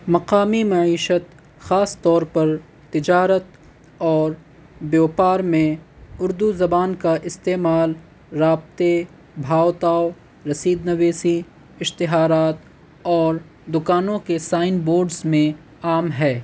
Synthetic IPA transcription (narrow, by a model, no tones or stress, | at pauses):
mɐqaːmimɐiːʃət̪ | xaːst̪ɔːɾpɐɾ | t̪ɪd͡ʒaːɾət̪̚ | ɔːɾ | bjoːpaːɾmẽʊɾd̪uzɐbaːnkaʔɪst̪eːmaːl | ɾaːb̚t̪e | bʱaːwt̪aːo | ɾɐsiːd̪nɐʋeːsi | ɪʃt̪ɪɦaːɾaːt̪ | ɔːɾ | d̪ʊkaːnõkesaːɪnboːɾɖzmẽ | aːmɦɛː